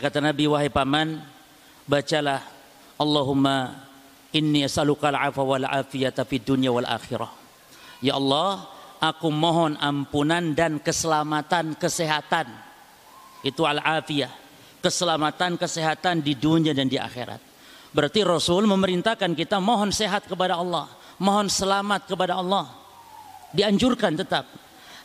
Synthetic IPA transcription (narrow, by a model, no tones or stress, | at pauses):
kat̪anabiwaɦipaman | bat͡ʃalah | ʔɑlːɑɦumːa | ʔɪnːiasalukalʕa̰fawalʕa̰fiat̪afidunijawalʔa̰xiɾa̰h | jaʔɑlːɑhʔakumoɦɔnʔampunandankəsəlamat̪ankəseɦat̪an | it̪ualaʕafiah | kəsəlamat̪ankəseɦat̪andiduniadandiʔa̰xḛɾa̰t̪̚ | bəɾart̪irɔsʊlməməɾint̪ahkankit̪amoɦɔnseɦat̪̚kəpadaɑlːɑh | moɦɔnsəlamat̪̚kəpadaɑlːɑh | diaɲd͡ʒurkant̪ət̪ap̚